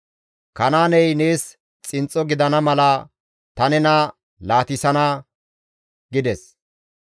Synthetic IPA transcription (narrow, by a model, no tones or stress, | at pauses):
kɐnaːnɛjne̞ːs | t͡sʼɪnt͡sʼːɔɡɪd̪ɐnɐmɐlɐ | t̪ɐnɛnɐ | laːt̪ɪsɐnɐ | ɡɪd̪ɛs